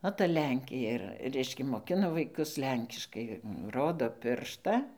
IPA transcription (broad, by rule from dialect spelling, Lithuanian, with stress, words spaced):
oː tɐ ˈlʲɛŋʲkʲeː ɪr ˈrʲɛɪʃʲkʲɛ moːˈkʲɪnɐ ʋɐɪˈkʊs ˈlʲɛŋʲkʲɪʃkɐɪ ˈroːdoː ˈpʲɪrʃtɐ